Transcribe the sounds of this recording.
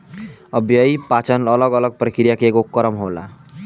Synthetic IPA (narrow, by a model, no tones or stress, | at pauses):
ʌbʱjəipat͡ʃənələɡʌləɡ̚pɾikɾijakeɡokːəɾəmɦola̰